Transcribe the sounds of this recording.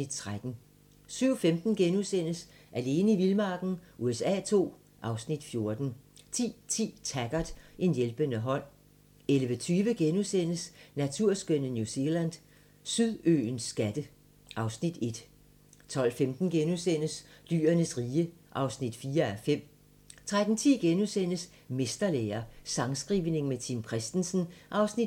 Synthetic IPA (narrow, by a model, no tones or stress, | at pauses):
id̥̚t͡sʰʁad̥n̩ | syʊfemd̥n̩ɡ̥enusen̰əs | ʔæle̝ːnəiʋilmɑ̈ːɡ̥n̩ʔuesɛ̰ːt͡sʰo̝̰ː | ʔɑ̈ʊsnid̥fjo̝ɐd̥n̩t͡sʰḭːt͡sʰḭːt͡sʰæɡ̥ɐd̥ʔe̝njelb̥ənəɦɒ̽n̰ | elʋət͡sʰyːʋəɡ̥enusen̰əsnæt͡sʰuɐ̰sɡ̥ønənjuse̝læn̰dˠ | syðˠø̰ːnsːɡ̥æd̥ə | ʔɑ̈ʊsnid̥e̝d̥ | t͡sʰɒ̽l̰femd̥n̩ɡ̥enusen̰əsly̰ːɐnəsʁiːəʔɑ̈ʊsnid̥fiːɐæfem̰ | t͡sʰʁad̥n̩t͡sʰḭːɡ̥enusen̰əs | mesd̥ɐlḛːɐsɑ̈ŋsɡ̥ʁiːʋne̝ŋmet͡sʰimkʰʁɛsd̥n̩sn̩ʔɑ̈ʊsni